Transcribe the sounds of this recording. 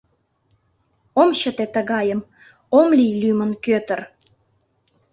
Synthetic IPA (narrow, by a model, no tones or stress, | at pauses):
omɕət̪et̪əɣɑjəm | omlijlymənkøt̪ə̆r